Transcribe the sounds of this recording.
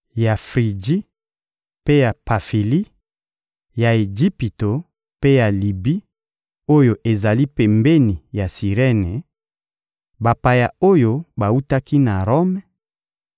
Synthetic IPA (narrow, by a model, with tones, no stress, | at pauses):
ja˨fʁi˨d͡ʒi˦ | pe˦ja˨pa˨fi˨li˦ | ja˨e˨d͡ʒi˦pi˨to˨ | pe˦ja˨li˨bi˦ | o˦jo˨ʔe˨za˨li˦pe˨mbe˦ni˨ja˨si˨ʁe˦ne˨ | ba˨pa˨ja˨o˦jo˦ba˨u˦ta˦ki˦na˨ʁo˦mɛ˨˦